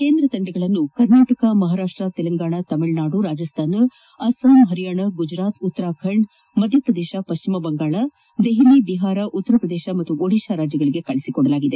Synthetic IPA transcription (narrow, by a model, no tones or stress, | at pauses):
ke̞ːnd̪ɾɐt̪ɐɳɖɛɡɐɭɐnːukɐɾnaːʈɐkɐmɐɦaːɾaːʂʈɾɐt̪ɛlɐŋɡaːɳɐt̪ɐmiɭnaːɽuɾaːd͡ʒɐst̪ʰaːn | ɐsaːmɦɐɾijaːɳɐɡud͡ʒɾaːt̪ut̪ːɐɾaːkʰɐɾɳɖ | mɐd̪ʱjɐpɾɐd̪eːʃɐpɐʃt͡ʃimɐbɐŋɡaːɭɐ | d̪eɦilibiɦaːɾɐʔut̪ːɐɾɐpɾɐd̪eːʃɐmɐt̪ːuʔoɽiːʃaɾaːd͡ʒjɐɡɐɭiɡe̞kɐɭisikɔɽɐlaːɡid̪e̞